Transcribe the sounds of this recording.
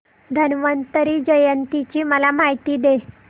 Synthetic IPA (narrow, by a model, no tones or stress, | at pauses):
d̪ʱənʋənt̪əɾiːd͡ʑəjənt̪it͡ɕiːməlamaɦit̪iːd̪e